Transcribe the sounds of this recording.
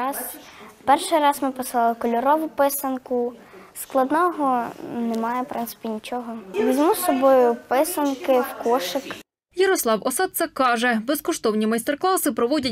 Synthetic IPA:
ɑzpɛrʃɪjɾɑzmɪpɔsˠɑlˠɪkɔlʲɔɾɔʋʊpɪsɐnkʊsklˠɐd̪nɔɦɔnɛmɑjɛpɾʔɪnt̪sɪ̥pʲinʲit͡ʃɔɦɔʋʲizʲmusɔbɔjʊpɪsɐnkɪwkɔʃɪk | jɐɾɔslˠɑwʔɔsɑd̪̚sɛkɑʒɛbɛskɔʃt̪ɔwnʲimɐjst̪erklˠɑsɪpɾɔʋɔdʲɐ

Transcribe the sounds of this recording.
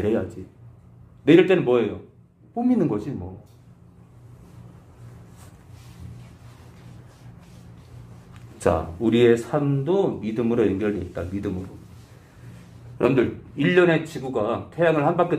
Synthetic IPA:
ɾejad͡ʑi | neɾʌɭt͈e̞nɯnmwʌe̞jo | pominːɯnɡʌɕimwʌ | t͡ɕa̰uɾie̞sʰamdomidɯmɯɾojʌŋɡʌɾiit̚t͈amidɯmɯɾo | jʌɾʌ̰mɯndɯɭiʎːʌne̞t͡ɕʰiɡuɡatʰe̞jaŋɯɭhanbak͈e

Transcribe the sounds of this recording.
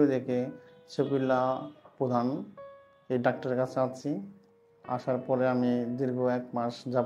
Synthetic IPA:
d̪eket͡ɕopilːapɾod̪ʱan | ejɖak̚ʈaɾeɾkat͡ɕʰeat͡ɕʰi | a̰ʃaɾpɔɾeamid̪iɾɡʱoɛkmaɾʃd͡ʑab

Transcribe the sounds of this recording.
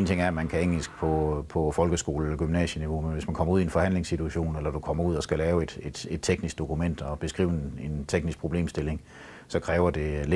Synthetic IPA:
nt͡sʰe̝ŋæɐæmænkʰæe̝ŋ̰l̩sɡ̥̚pʰɒ̽pʰɒ̽fɒ̽lɡ̥əsɡ̥o̝̰ːlelɐɡ̥ymnɛ̰ːɕəniʋo̝menʋe̝smænkʰɒ̽mɐuð̰ˠenfɒ̽hæn̰le̝ŋsːit͡sʰuæɕo̝̰ːnelɐd̥ukʰɒ̽mɐuð̰ˠɒsɡ̥ælɛːʊe̝d̥e̝d̥e̝d̥t͡sʰeɡ̥nisɡ̥̚d̥o̝kʰumen̰d̥ɒ̽b̥e̝sɡ̥ʁḭːʊene̝nt͡sʰeɡ̥nisɡ̥̚pʰʁo̝b̥le̝̰ːmsd̥e̝le̝ŋ | sɒ̽kʰʁɛːʊɐd̥e̝l

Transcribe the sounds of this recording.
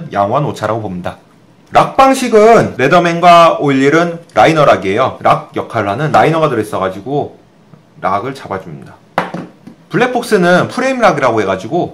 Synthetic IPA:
njaŋwanot͡ɕʰaɾaɡobomɲida | ɾʔak̚p͈aŋɕʰiɡɯnɾe̞dʌme̞ŋɡwaoiʎːiɾɯnɾainʌɾaɡie̞joɾak̚jʌkʰaɭːanɯnɾainʌɡadɯɾes͈ʌɡad͡ʑiɡo | ɾʔaɡɯɭt͡ɕabad͡ʑumɲida | puɭːe̞pʰok̚s͈ɯnɯnpʰuɾe̞imɾaɡiɾaɡoɦe̞ɡad͡ʑiɡo

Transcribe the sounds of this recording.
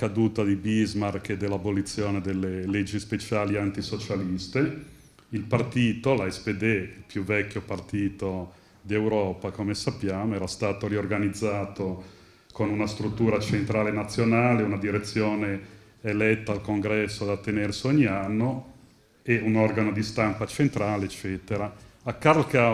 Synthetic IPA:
kad̪uːt̪ad̪ibizmarked̪elːabolit̪sːjoːned̪elːelɛd͡ʒːispet͡ʃaːliant̪isot͡ʃalist̪e | ilpart̪iːt̪olaɛsped̪eilpjuvɛkːopart̪iːt̪o | d̪iewɾɔːpakomesapːjaːmoɛːɾast̪aːt̪oɾiorɡanid̪zːaːt̪o | konunast̪ɾut̪ːuːɾat͡ʃent̪ɾaːlenat̪sːjonaːleunad̪iɾet̪sːjoːne | elɛt̪ːaːlkoŋɡɾɛsːoad̪at̪ːenerseoɲːianːo | eunorɡanod̪ist̪ampat͡ʃent̪ɾaːleːt͡ʃːɛːt̪eɾaakːaɾlka

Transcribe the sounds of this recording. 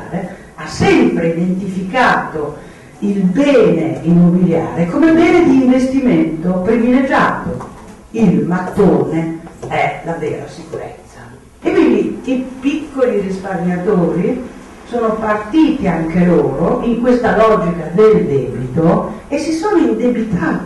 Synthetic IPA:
ɾe | asːɛmpɾeid̪ent̪ifikaːt̪o | ilbɛːneimːobilja̰ːɾekomebɛːned̪iːɱvest̪iment̪opɾiviled͡ʒa̰ːt̪o | ilmat̪ːoːneɛlavɛ̰ːɾasikuɾḛt̪sːa | ekwind̪iipikːolirisparɲjat̪oːɾi | soːnopart̪iːt̪iaŋkeloːɾoiŋkwest̪alɔd͡ʒikad̪eld̪ɛːbit̪oesːisoːnoind̪ebit̪ʰa

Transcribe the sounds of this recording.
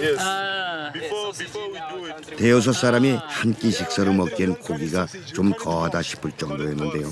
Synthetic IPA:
te̞os̬ʰʌs͈aɾamihank͈iɕʰik̚s͈ʌɾɯmʌk̚k͈inkoɡiɡa | t͡ɕomkʌɦadaɕʰi̥pʰɯɭt͡ɕ͈ʌŋdojenːɯnde̞jo

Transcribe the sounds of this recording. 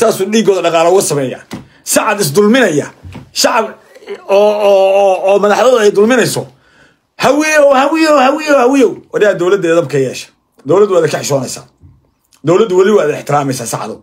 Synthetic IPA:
t̪ʰaːsuːiːɡɔːðɐɖɑqɑːlɐʊɣɐsɐmɛːja̰ː | sɑʕɑd̪ɪs̬d̪ʊlmɪnɐjɐ̰ʃɑʕɑb | ɔː | mɐðɑħðɐðʊɛjd̪ʊlmɪnɛjsɔ | hɐwijɛwhɐwɪjɔwhɐwɪjwhɐwɪjɛwwɐɾjaːd̪ɔwlɐd̪ɛːðɐb̚kʰɐjɛːʃɐ̥ | d̪ɔwlɐd̪waːðɐkʰɐħɪʃɔːnɛjsa̰ː | d̪ɔwlɐd̪ʊwɐlɪwaːðɪ̰ħt̪ʰɪɾaːmɛjsaːsɑ̰ʕɑ̰d̪ʊ

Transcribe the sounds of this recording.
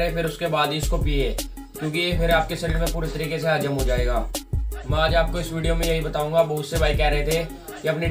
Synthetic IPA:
epɪɾʊskebaːd̪iʊskopiːeː | kjõːkipʰɪɾaːp̚kesɛɾəɖmẽpuːɾet̪əɾiːkeseɦaːd͡ʒəmɦod͡ʒaːeːɡaːmɛ̃aːd͡ʒaːp̚koɪsʋiːɖijomẽjɐɦibɐt̪aːũːŋɡaʋoʊsːebʱaːikɛɦɾɐɦet̪ʰe | kiɐpni

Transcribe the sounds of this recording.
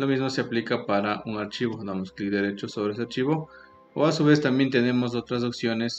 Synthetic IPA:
lomizmo̞seaplikapaɾaʔuŋaɾt͡ʃiβo̞d̪amosklikd̪eɾet͡ʃosoβɾees̬eaɾt͡ʃiβo̞ | o̰asuβe̞st̪ambje̞nt̪ene̞mo̞s̬o̞t̪ɾas̬oksjo̞ne̞s

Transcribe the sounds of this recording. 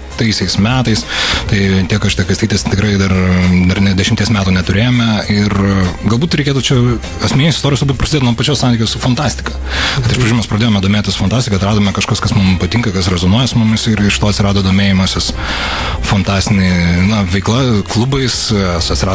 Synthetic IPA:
t̪ɐɪsʲɛɪsmʲæːt̪ɐɪst̪ɐɪt̪ʲiɛkɐʃɪt̪ʲɛkɐɪst̪ʲiɪt̪ʲiɛst̪ʲɪkɾɐɪd̪ɐrd̪ɐrnʲɛd̪ʲɛʃʲɪmʲt̪ʲiɛsmʲæːt̪uːnʲɛt̪ʊɾʲeːjoːmʲɛɪrɡɐlˠbuːt̪ɾʲɛɪkʲeːt̪ut͡ʃʲɛ | ɐsʲmʲnʲiːsɪst̪oːɾʲɪjslˠbuːt̪prɐsʲd̪ʲeːt̪nuɔpɐt͡ʃʲoːsɑnt̪ʲiːkʲoːsfɐnt̪ɑːsʲt̪ʲɪkɐːkɐt̪ʲɪʃpɾɐd͡ʒuːmʲɛspɾɐd̪ʲeːjoːmɛd̪oːmʲeːt̪ʲɪsfɐnt̪ɑːsʲtʲɪkɐt̪ɾɑːd̪oːmʲɛkɐʃkoːskɐsmʊmpɐt̪ʲɪŋkɐkɐsɾʲɛzonuɔjɛsʊmʊmʲɪsɪɾɪʃʲɪtoːɐt̪ʲsʲɪɾɑːd̪oːd̪oːmʲeːjɪmoːsʲɪs | fɐnt̪ɑːsʲt̪ʲɪnʲinɐʋʲɛɪklˠɐklˠʊbɐɪssɐt̪ʲsʲɪɾɑː

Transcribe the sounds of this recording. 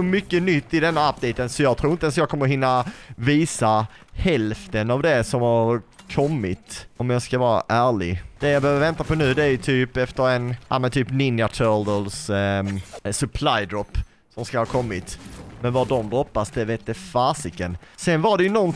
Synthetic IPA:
ʊmʏkːənʏt̪ːɪd̪ɛnːaap̚d̪ɛɪt̪ənsɔjɑːɡt̪ʰɾuːɾɪt̪ɛns̬jɑːɡkʰɔmːəɾɦɪnːaviːsa | hɛlft̪ənavd̪ɛsɔmhaɾkʰɔmːɪt̪ɔmjɑskavɑːɾa̰ʔæːɭɪɡd̪̥ɛjɑbɛøvəɾvɛnt̪apɔnʉ̟ːd̪ɛæɾjɵt̪ʰyːpɛft̪əɾɛna̰lmɛnt̪ʰyːpnɪnjat̪ʰœld̪əls | sɵpʰlajd̪ɾɔpː | sɔmskahɑːkʰɔmːɪt̪mɛnvad̪ɔmd̪ɾɔpːasd̪ɛveːt̪̚d̪ɛfasɪkənsɛnvaɖɛjɵnɔn

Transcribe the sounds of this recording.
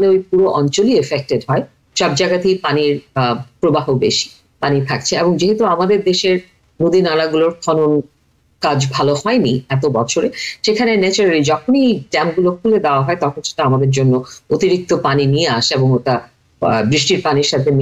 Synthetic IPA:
leojpuɾoʔɔnt͡ɕoliefek̚ʈeɖɦɔe | ʃɔb̚d͡ʑaɡat̪epaniɾpɾobaɦobeʃi̥ | panit̪ʰak̚t͡ɕʰeeboŋd͡ʑeɦet̪uamad̪eɾd̪eʃeɾ | nud̪inalaɡuloɾkʰɔnon | kad͡ʑbʱaloɦɔeniɛt̪obɔt͡ɕʰoɾeʃekʰanenɛt͡ɕoɾaɾid͡ʑɔkʰoniɖɛmɡulokʰuled̪eoaɦɔet̪ɔkʰonʃe̥ʈaamad̪eɾd͡ʑonːoot̪iɾik̚t̪opaninieaʃeboŋoʈa | bɾiʃʈiɾpaniɾʃat̪ʰen

